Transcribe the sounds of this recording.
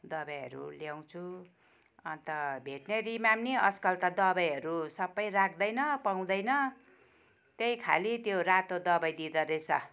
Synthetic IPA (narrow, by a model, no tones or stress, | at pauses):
d̪ʌbʌjɦʌ̰ɾṵljaw̃t͡sʰu | ʌ̰nt̪ʌbʱeʈnerimamniʌskʌlt̪ʌd̪ʌbʌjɦʌɾusʌbːʌjrakʰd̪ʌjnʌpaw̃d̪ʌjnʌ | t̪ejkʰa̰lit̪jorat̪od̪ʌbʌjd̪id̪ʌɾet͡sʰʌ